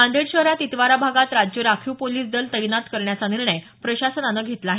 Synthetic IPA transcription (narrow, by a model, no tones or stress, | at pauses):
ãnd̪eɽɕəɦɾat̪it̪ʋaɾabʱaɡat̪ɾad͡ʑjəɾakʰuːpoliːsd̪əlt̪əjnat̪kəɾɳjat͡saniɾɳəj | pɾəɕasənanːəɡʱet̪laːɦe